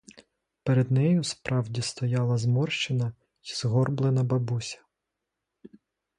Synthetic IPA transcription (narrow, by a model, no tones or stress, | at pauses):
peɾed̪nɛjuspɾʔɑwdʲist̪ɔjɑlˠɐzmɔrʃt͡ʃɪnɐ | izɦɔrblˠɪnɐbɐbusʲɐ̥